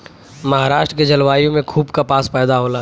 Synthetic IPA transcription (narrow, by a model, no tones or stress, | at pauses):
mɐɦaːɾaːʃʈɾəked͡ʒɐlʋaːijõmẽkʰuːbkapaːspɛːd̪aɦoːlaː